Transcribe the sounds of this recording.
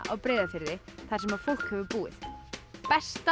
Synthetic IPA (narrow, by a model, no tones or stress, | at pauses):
ʔa̰ðpɾɛːðafɪɾðɪθḁsɛmaðfowl̥khɛvʏpuːɪ̰ðpɛst̪